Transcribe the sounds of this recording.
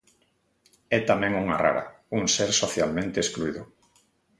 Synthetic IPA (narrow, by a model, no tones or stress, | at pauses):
ɛt̪amɛ̃ŋuŋara̰ɾa̰ | uŋseɾsoθjalmẽnt̪eskluiðʊ